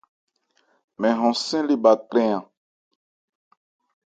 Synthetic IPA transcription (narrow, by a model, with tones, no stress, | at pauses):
mɛ̃˨ɦɔ̃˨sɛ̃˦li˦ba˨kɾɛ̃˦ã˨